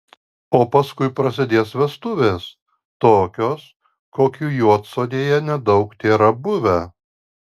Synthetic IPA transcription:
oːpɐskʊɪpɾɐsʲɪd̪ʲeːsʋʲɛst̪ʊʋʲeːs | t̪oːkʲoːs | koːkʲuːjuɔt̪soːd̪ʲeːjɛnʲɛd̪ɒʊkt̪ʲeːɾɐbʊʋʲɛ

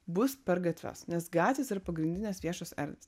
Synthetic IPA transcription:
bʊspʲɛɾɡɐt̪ʲʋʲo̰ːsnʲɛsɡɑːt̪ʲʋʲeːsɪɾɐpɐɡɾʲɪnʲd̪ʲɪnʲeːsʋʲiɛʃoːsɛ̰ɾʲd̪ʲʋʲes

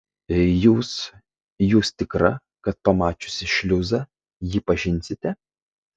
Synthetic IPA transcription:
juːs | juːst̪ʲɪkɾɐ | kɐt̪̚pɐmɑːt͡ʃʲʊsʲɪʃʲlʲʊzɐ | jiːpɐʒʲɪnʲsʲɪt̪ʲɛ

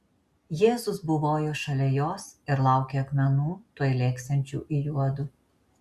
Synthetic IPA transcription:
jeːzʊsbʊʋoːjoːʃɐlʲɛjoːsɪɾlˠɑˑʊkʲeːɐkmʲɛnuːt̪uɔjlʲeːksʲɛnʲt͡ʃʲṵːʔɪjuɔd̪ʊ

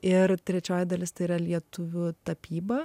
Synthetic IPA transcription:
ɪɾt̪ʲɾʲɛt͡ʃʲoːjɪd̪ɐlʲɪst̪ɐɪiɾɐlʲiɛt̪ʊʋʲʊt̪ɐpʲiːbɐ

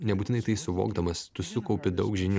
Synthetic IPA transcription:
nʲɛbuːt̪ʲɪnɐɪt̪ɐɪsʊʋo̰ːɡd̪ɐmɐst̪ʊsʲʊkɐʊpʲɪd̪ɐʊkʒʲɪnʲu

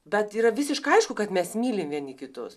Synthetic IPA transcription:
bʲɛt̪iːɾɐʋʲɪsʲɪʃkɐɐɪʃkʊkɐt̪mʲɛsmʲiːlʲɪmʋʲiɛnʲikʲɪt̪ʊs

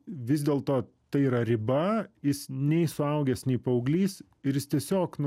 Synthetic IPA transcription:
ʋʲɪzd̪ʲeːlˠt̪oː | t̪ɐɪiːɾɐɾʲɪbɐjɪsnʲɛɪsʊɐʊɡʲɛsnʲɛɪpɐʊɡlʲiːs | ɪɾjɪst̪ʲiɛsʲoːknʊ

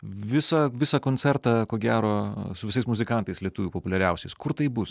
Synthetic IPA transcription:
ʋʲɪsɐʋʲɪsɐkoːnʲt͡s̪ʲɛɾt̪ɑkoːɡʲæːɾoːsʊʋʲɪsɐɪsmʊzʲɪkɐˑnt̪ɐɪslʲiɛt̪ʊʋʲuːpopʊlʲɛɾʲɛʊsʲɛɪskʊɾt̪ɐɪbʊs

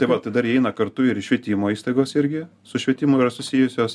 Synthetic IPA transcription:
t̪ɐɪʋɐt̪ɐɪd̪ɐɾɛɪnɐkɐɾt̪ʊɪɾʃʲʋʲɛt̪ʲiːmoːiːst̪ɐɪɡoːsɪɾʲɡʲɪ | sʊʃʲʋʲɛt̪ʲɪmʊɪɾɐsʊsʲijʊsʲoːs

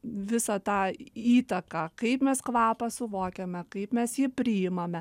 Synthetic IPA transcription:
ʋʲɪsɐt̪ɑːiːt̪ɐkɑːkɐɪpmʲɛskʋɑːpɐsʊʋoːkʲemʲɛkɐɪpmʲɛsjɪpʲɾʲɪɪmɐmʲɛ

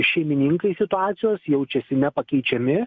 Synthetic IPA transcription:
ʃʲɛɪmʲɪnʲiŋkɐɪsʲɪt̪ʊɑːt̪sʲɪjoːsjɛʊt͡ʃʲɛsʲɪnʲɛpɐkʲɛɪt͡ʃʲɛmʲɪ

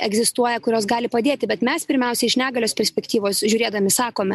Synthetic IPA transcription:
ɛɡzʲɪst̪uɔjɛkʊɾʲoːs̬ɡɑːlʲɪpɐd̪ʲeːt̪ʲɪbʲɛt̪mʲɛspʲɪɾʲmʲɛʊsʲɛɪʃʲnʲæːɡɐlʲoːspʲɛɾʲsʲpʲɛkt̪ʲiːʋoːsʒʲʊːɾʲeːd̪ɐmʲɪsɑːkoːmʲɛ

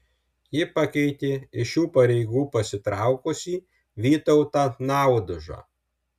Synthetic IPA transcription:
jɪpɐkʲɛɪt̪ʲeːɪʃʲuːpɐɾʲɛɪɡuːpɐsʲɪt̪ɾɑˑʊkʊsʲiː | ʋʲiːt̪ɔʊt̪aːnɑˑʊd̪ʊʒɑ̰ː

